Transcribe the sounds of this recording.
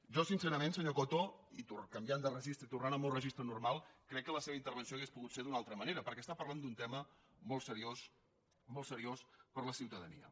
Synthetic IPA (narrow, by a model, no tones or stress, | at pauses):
ʒɔsinsɛɾəmensəɲokot̪oit̪urkəmbjand̪ərəʒist̪ɾəit̪urnanəmorəʒist̪ɾənurmalˠkɾɛkːələseβəint̪əɾβ̞ənsioəɣespuɣut̪seɾðunalˠt̪ɾəməneɾəpəɾkɛəst̪apərland̪unt̪ɛmə | mɔlˠsəɾios | mɔlˠsəɾiospəɾləsiwt̪əðənḭə̰